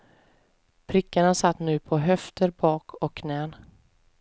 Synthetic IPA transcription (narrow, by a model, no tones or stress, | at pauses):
pʰɾɪkːaɳasat̪ːnʉ̟ːpʰɔɦœft̪əɾbɑːkʰɔkʰːnɛːn